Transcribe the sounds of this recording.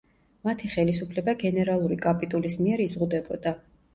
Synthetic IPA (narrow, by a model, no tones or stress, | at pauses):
mat̪ʰiχɛlisupʰlɛbaɡɛnɛɾalˠuɾikʼapʼit̪ʼulismiɛɾizʁud̪ɛbɔd̪a